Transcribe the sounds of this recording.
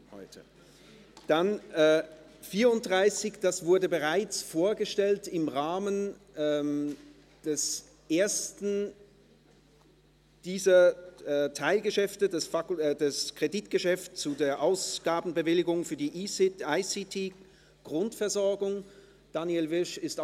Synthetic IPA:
hɔ̰ʏtʰə | d̥anɛː | fiːɐʊnt̚d̥ʁaɪsɪçd̥asv̥ʊɐdəbəʁaɪt͡sfoːɐɡəʃtɛltɪmʁaːmən | ʔɛm | d̥ɛs | ʔeːɐstn̩ | d̥iːzɐɛtʰaɪlɡəʃɛftədɛsfakːdɛskʁ̥editɡ̥əʃɛft͡sudeːɐʔaʊsɡ̥aːbn̩bəvɪlɪɡʊŋfyːɐdiːʔiaɪsitʰiː | ɡ̥ʁʊntfɛɐzɔɐɡʊŋ | d̥anjelvɪʃɪst

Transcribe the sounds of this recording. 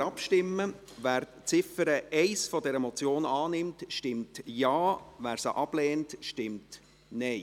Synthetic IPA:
ɑpʃtɪmːə | væːɾ | t͡sɪfəɾəɛɪsfɔdɛɾəmɔt͡sjoːnɑːnɪmtʃtɪmtjɑːvæːɾsəʔɑb̥lɛːntʃtɪmt | nɛɪ

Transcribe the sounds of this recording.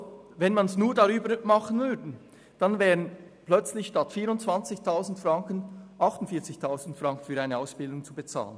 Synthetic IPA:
vɛnmɑnsnuːɐdaʁyːbəmɑχən̩vʏɾdn̩ | d̥ɑnvɛːʁənplœt͡slɪçʃtɑtfiːɾʊnt͡sv̥ant͡sɪçtʰaʊzn̩tfʁɑŋkən̩ʔɑχtʊntfiːɐt͡sɪçtʰaʊzn̩tfʁɑŋkn̩fyːɾaɪnəaʊsb̥ɪldʊŋt͡subət͡sa̰ːlə̰n

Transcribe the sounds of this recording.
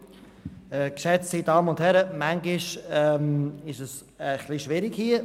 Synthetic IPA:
ɛkʃɛt͡ssidɑːməʊnthɛɾəmæŋɡɪʃɛmɪʃəs | əχliʃvɪɾɪɡhiə

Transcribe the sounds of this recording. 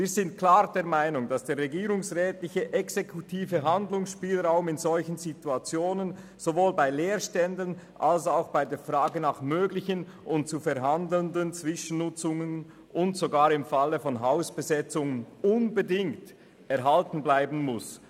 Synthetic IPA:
viːɾzɪnt̚kʰlaːʁdeːɐmaɪnʊŋd̥asd̥eːɾːɛɡiːɾʊŋsʁɛːtlɪçəʔɛksekʰutʰiːvəɦandlʊŋsʃpiːlʁaʊmɪnzɔlçənzituat͡sjoːnən | z̥ovoːlbaɪleːɾʃtɛndənʔalsaʊxb̥aɪdeːfʁaːɡənaːχmøːɡlɪçən | ʔʊnt̚t͡sufɛɾɦandl̩ndlənt͡sv̥ɪʃən̩nʊt͡sʊŋən | ʊntz̥oɡaːɾɪmfaləfɔnɦaʊsb̥əzɛt͡sʊŋənʊnbədɪŋkt | ɛɾɦaltn̩blaɪbn̩mʊs

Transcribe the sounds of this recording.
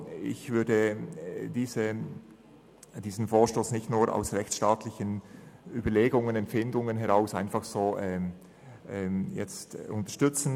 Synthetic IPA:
ɪ̰çv̥ʏɐdə | d̥iːzə | d̥iːzn̩foːʃtoːsnɪçtnuːɾʔa̰ʊsʁɛçt͡sʃtaːtlɪçənyːbɐleːɡʊŋənɛmfɪndʊŋənɦɛʁaʊsaɪnfɑχz̥oːʔɛː | ʔɛmjɛ̰t͡stʔʊntə̥ɐʃtʏt͡sn̩

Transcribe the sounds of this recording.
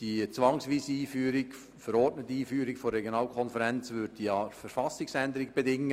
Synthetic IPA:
d̥it͡svɑŋsviːsəiːfyːɾik | fəɾɔrtnətːiiːfyːɾikforːɛɡjonɑːlkʰɔnfəɾɛnt͡sʋʏɾdd̥iɑfəɾfɑsɪksænd̪əɾɪk̚b̥ɛdɪŋːə

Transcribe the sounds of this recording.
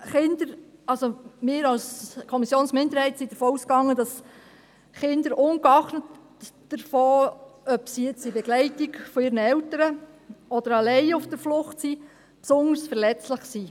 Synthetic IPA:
χɪnd̥̪əɾɑlsomɪːɾɑlskʰɔmisjoːnsmɪnd̪əɾhɛɪtsidəɾfoːuskɑŋːəd̥ɑs | χɪndəɾʔʊŋkɑχnət | d̥əɾfɔːœpsiɛt͡sibɛɡlɛɪtiɡfɔɪːɾnəɛwtəɾə | ɔd̪əɾɑlɛɪʊfd̥əɾflʊχtsi | psʊnəɾsfɛɾlɛt͡slɪχsi

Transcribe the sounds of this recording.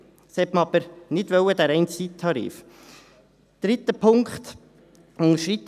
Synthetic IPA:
sɛtməɑbəɾnɪd̥̪ʋœwəd̪æɾɛɪnt͡sit̪ʰːɑɾḭːf | d̪̥ɾɪt̪ːəpʰʊŋkχt̪ | ʊŋʃɾit̪

